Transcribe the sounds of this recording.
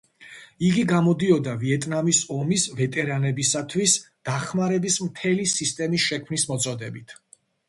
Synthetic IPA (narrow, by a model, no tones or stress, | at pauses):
iɡiɡamɔd̪iɔd̪aviɛt̪ʼnamisɔmisvɛt̪ʼɛɾanɛbisat̪ʰwisd̪̥aχmaɾɛbismt̪ʰɛlisist̪ʼɛmisʃɛkʰmnismɔt̪sʼɔd̪ɛbit̪ʰ